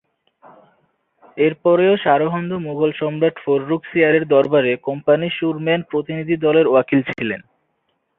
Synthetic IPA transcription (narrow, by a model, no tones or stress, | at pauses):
eɾpɔɾeoʃaɾoɦɔnd̪omuɡʱolʃɔmɾaʈfoɾːuksiaɾeɾd̪ɔɾbaɾekɔmpaniʃuɾmɛnpɾot̪inid̪ʱid̪ɔleɾoakilt͡ɕʰilen